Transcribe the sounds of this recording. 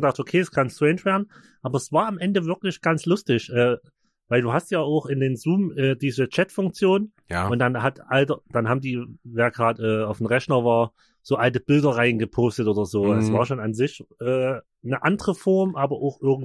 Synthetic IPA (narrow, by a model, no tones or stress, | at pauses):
ɡədaχtʔokʰeːɛskʰanstʁ̥ɛɪnʃv̥eːɐdn̩ | ʔaːbɐɛsv̥aːɐamʔɛndəvɪɐklɪçɡ̥ant͡slʊstɪçʔɛː | vaɪlduːɦastjaːaʊxɪndeːnzuːmʔɛːdiːzət͡ʃɛtfʊŋk̚t͡sjoːn | ʊntd̥anɦatʔaltəd̥anɦaːbm̩diːveːɐɡʁaːtʔɛːaʊfn̩ʁɛçnɐvaːɐ | z̥oːʔaltəb̥ɪldɐʁaɪənɡəpʰoːstətʔoːdɐzoːɛsv̥aːɐʃoːnanzɪçʔɛː | nəʔandəʁəfɔɐmʔaːbɐʔaʊxʔɪɐɡŋ̩